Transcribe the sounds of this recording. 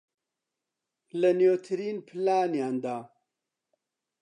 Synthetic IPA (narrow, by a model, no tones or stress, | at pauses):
lənjoːt̪ʰɨɾiːnpʰɨlaːnjaːnd̪aː